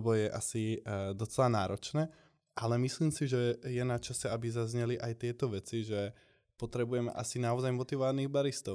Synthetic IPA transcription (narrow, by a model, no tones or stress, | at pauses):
bɔjɛʔasid̪ɔt͡sɛlanaːɾɔt͡ʃnɛː | ʔalɛmisliːmsiʒɛjɛnat͡ʃasɛabizazɲɛliʔajt̪ɪɛt̪ɔʋɛt͡siʒɛ | pɔt̪ɾɛbujɛmɛʔa̰sinaɔzajmɔt̪iʋɔʋaniːɣbaɾist̪ɔ